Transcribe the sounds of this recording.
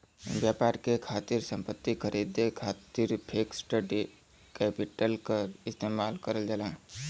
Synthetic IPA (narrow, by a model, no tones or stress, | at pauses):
bjaːpaːɾkekʰaːt̪iɾsə̃mpət̪ːikʰəɾʔid̪ekʰaːt̪iɾpʰeːksʈəɖi | kɛːpɪʈəlkəɾɪst̪eːmaːlkəɾəld͡ʒalãː